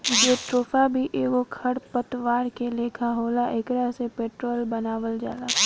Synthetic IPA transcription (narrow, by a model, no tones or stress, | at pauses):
d͡ʒeːʈɾoːfabʱiʔeːɡokʰɐɽpət̪ʋaːɾkeleːkʰaɦoːlaʔeːkɾasepeːʈɾoːlbɐnaːʋəld͡ʒa̰ːlaː